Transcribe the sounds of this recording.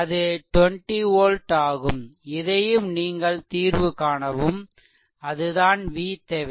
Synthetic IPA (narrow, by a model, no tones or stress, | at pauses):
ɐðɯʈʋɔɳʈioːlʈaːɣɯmɪðɐjɯmniːŋɡɐɭt̪iːɾʋɯkaːɳɐʋɯm | ɐðɯðaːnʋiːt̪ːɐʋ